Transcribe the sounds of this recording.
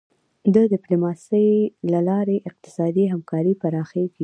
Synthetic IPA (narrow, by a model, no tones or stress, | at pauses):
d̪əd̪ɪplumɑsəjlalɑɾeʔɪq̚t̪ɪ̥sɑd̪iɦamkɑɾipaɾɑxeɡi